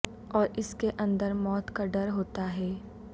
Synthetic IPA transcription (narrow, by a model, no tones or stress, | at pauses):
ɔːɾɪskeʔɐ̃nd̪əɾmɔːt̪kaɖɐɾɦoːt̪aɦɛː